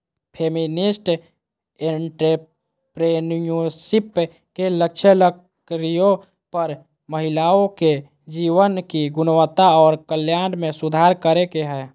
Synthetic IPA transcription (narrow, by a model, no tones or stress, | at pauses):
pʰeːminisʈ | eɳʈɾe | pɾenjusip | kelək̚t͡ʃʰələk | ɾijõ | pəɾ | məɦɪlaːõke | d͡ʒiːwənkiɡʊnwət̪aɔːɾkəljaːnmẽsʊd̪ʱaːɾkəɾekeɦɛː